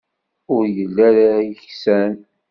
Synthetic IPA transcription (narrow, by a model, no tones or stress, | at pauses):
ʊɾjəlːæɾajəçsæn